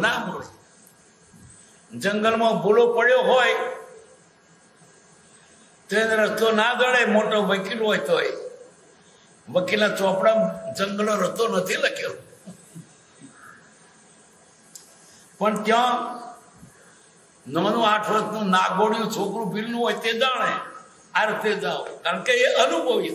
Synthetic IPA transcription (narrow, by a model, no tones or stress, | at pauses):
nao | d͡ʒəŋɡəlmãbolopəɽjoɦoːj | t̪eneɾət̪onad̪ʱəɭemoʈoʋəkilojt̪oj | ʋəkilãt͡ʃɔ̃pɽãd͡ʒəŋɡəloɾət̪onət̪ʰilakʰeɾũ | pəɳt̪jã | nəːnũːaːʈʰʋəɾəsnũnak̚bəɽjũt͡ʃʰokɾũbʱilnũɦoːjt̪ed͡ʒaɳe | aɾət̪ed͡ʒaokaəɳkeeʔənubʱəʋi